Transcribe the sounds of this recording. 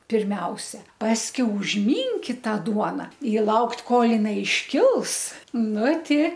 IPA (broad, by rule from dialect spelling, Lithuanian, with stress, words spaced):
pʲɪrʲˈmʲɛʊsʲɛ ˈpɑːsʲkʲɛʊ ʊʒʲˈmʲiːŋʲkʲɪt ˈtɑː ˈduɔnɐ ɪ ˈlˠɐʊktʲ ˈkoːlˠ jɪˈnɐɪ ɪʃʲˈkʲɪlˠs ˈnʊ ˈtʲɪ